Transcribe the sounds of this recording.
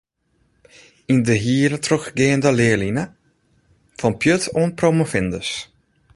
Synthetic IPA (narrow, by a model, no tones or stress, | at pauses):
indəɦiːɾətrøxɡɪːəndəlɪəlinə | fɔnpʰjøtʰoənpromofɪndəs